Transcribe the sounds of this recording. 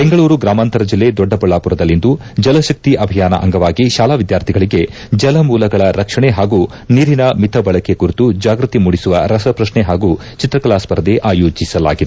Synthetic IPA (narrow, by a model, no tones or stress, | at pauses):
b̥e̞ŋɡɐɭuːɾuɡɾaːmaːnt̪ɐɾɐd͡ʒilːe̞d̪ɔɖːɐpɐɭaːpuɾɐd̪ɐlːind̪u | d͡ʒɐlɐʃɐk̚t̪iʔɐbʱijaːnɐ̰ʔɐ̰ŋɡɐʋaːɡiʃaːlaːʋid̪jaːɾt̪ʰiɡɐɭiɡe̞ | d͡ʒɐlɐmuːlɐɡɐɭɐɾɐkʂɐɳeɦaːɡuː | niːɾinɐmit̪ʰɐbɐɭɐkekuɾit̪ud͡ʒaːɡɾut̪imuːɽisuʋɐɾɐsɐpɾɐʃɳeɦaːɡu | t͡ʃit̪ɾɐklaːspɐɾɐd̪eʔaːjoːd͡ʒisɐla̰ːɡid̪ee